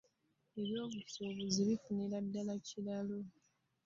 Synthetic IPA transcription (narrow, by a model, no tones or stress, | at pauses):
e̞βjo̞ːβusoːβuziβifuniɾadːalacilalo